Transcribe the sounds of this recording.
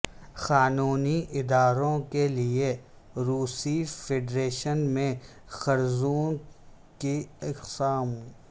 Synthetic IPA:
xaːnuːniʔɪd̪aːɾõkelie | ɾuːsifeɖɾeːʃənmẽ | xɐɾzuːn | keɪqsaːm

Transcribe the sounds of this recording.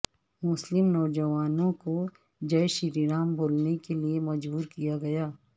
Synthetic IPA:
mʊslɪmnɔːd͡ʒɐʋaːnõko | d͡ʒɐjʃɪɾiɾaːmbʱoːlnekeliemɐd͡ʒbuːɾkijaɡɐjaː

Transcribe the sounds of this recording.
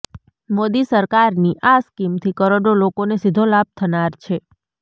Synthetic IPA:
mod̪isəɾkaɾniʔaskimt̪ʰikəɾoɖolokonesid̪ʱolab̚t̪ʰənaɾt͡ʃʰe

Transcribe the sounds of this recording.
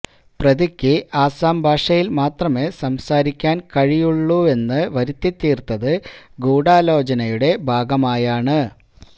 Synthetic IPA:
prɐðikʲːɨʔaːsaːmbʱaːʂɐjilmaːt̪rɐmesɐmsaːɾikʲːaːnkɐɻijuɭːue̞nːɨʋɐɾut̪ːjit̪ːiːrt̪ːɐðɨɡuːɽaːlo̞ːt͡ɕɐnɐjuɽe̞bʱaːɡɐmaːjaːɳɨ

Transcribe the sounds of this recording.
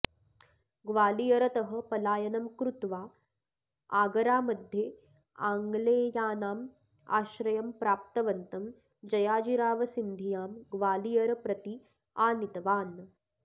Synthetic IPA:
ɡʋaːlijɐɾɐt̪ɐɦɐ̆pɐlaːjɐnɐmkɾut̪ʋaː | aːɡɐɾaːmɐd̪ʱjeː | aːŋɡleːjaːnaːm | a̰ːʃɾɐjɐmpɾaːp̚t̪ɐʋɐnt̪ɐm | d͡ʒɐjaːd͡ʒiɾaːʋɐsind̪ʱijaːmɡʋaːlijɐɾɐpɾɐt̪i | aːnit̪ɐʋaːn

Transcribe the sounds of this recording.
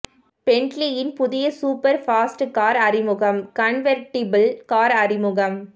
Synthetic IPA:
pɛɳʈlijɪnpʊðɪjɐsuːpɐɾfaːsʈkaːɾɐrɪmʊɣɐmkɐɳʋɐɾʈɪbɐlkaːɾɐrɪmʊɣɐm

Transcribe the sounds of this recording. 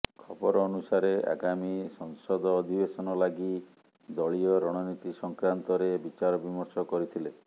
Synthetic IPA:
kʰɔbɔɾɔːnusaɾea̰ɡamisɔŋsɔd̪ɔːd̪ʱibesɔnɔlaɡi | d̪ɔɭiɔɾɔɽ̃ɔnit̪isɔŋkɾant̪ɔɾebit͡ʃaɾɔbimɔɾsɔkɔɾit̪ʰile

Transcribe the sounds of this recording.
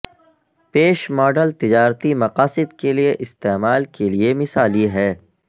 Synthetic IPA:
peːʃmɔːɖəlt̪ɪd͡ʒaːɾt̪imɐqaːsɪd̪kelieʔɪst̪eːmaːlkeliemɪsaːliɦɛː

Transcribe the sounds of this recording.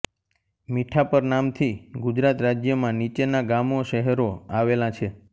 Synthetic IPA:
miʈʰapəɾnamt̪ʰiɡud͡ʒɾat̪ɾad͡ʒjəmãnit͡ʃenaɡamoʃəɦɛɾoaʋelãt͡ʃʰe

